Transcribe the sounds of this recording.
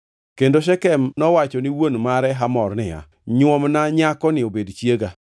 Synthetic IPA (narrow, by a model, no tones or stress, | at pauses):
kendoʃ̬ɛkɛmnɔwat͡ʃɔnɪwonmaɾɛɦamɔrnɪa̰ | ɲwɔmnaɲakɔnɪobedt͡ʃjeɡa